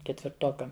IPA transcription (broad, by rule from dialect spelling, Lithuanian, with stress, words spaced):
kʲɛtʲʋʲɪrˈtoːkɐm